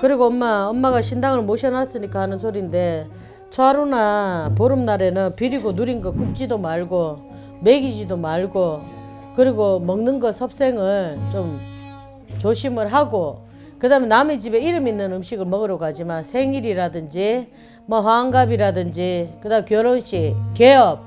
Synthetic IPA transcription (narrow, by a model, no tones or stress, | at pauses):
kɯɾiɡoʌmːaʌmːaɡaɕʰindaŋɯɭmoɕʰʌnas͈ɯɲik͈ahanɯnsʰoɾinde̞ | t͡ɕʰoaɾonapoɾɯmnaɾe̞nɯnpiɾiɡonuɾinɡʌkup̚t͡ɕ͈idomaɭɡo | me̞ɡid͡ʑidomaɭɡo | kɯɾiɡomʌŋnɯnɡʌsʰʌp̚s͈e̞ŋɯɭt͡ɕom | t͡ɕoɕʰimɯɭɦaɡo | kɯdamjenːamed͡ʑibe̞iɾɯminːɯnɯmɕiɡɯɭmʌɡɯɾʌɡad͡ʑimansʰe̞ŋiɾiɾadɯnd͡ʑi | mʌɦwaŋɡabiɾadɯnd͡ʑikɯdamkjʌɾonɕike̞ʌp̚